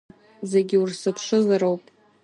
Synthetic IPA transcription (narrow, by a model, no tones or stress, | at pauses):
zeɡʲɪursɨpʰʂɨzaɾowpʼ